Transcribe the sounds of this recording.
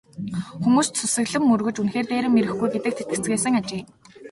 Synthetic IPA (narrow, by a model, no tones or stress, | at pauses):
xumuːssʰusɘ̆ɣɮɘ̆mːɵrɣɵ̆t͡ɕunxeːrt̪eːɾɘ̆mːeɾɘ̆xɡujɡet̪ɘ̆k̚t̪ʰet̪ɡɘ̥̆t͡sɡeːsɘ̆ŋat͡ɕeː